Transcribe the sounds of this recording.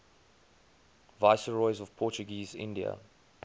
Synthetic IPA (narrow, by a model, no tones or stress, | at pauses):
vaɪsəɹɔɪzɔv̥pʰɔˑt͡ʃuɡiːzɪ̰̃ndiə̰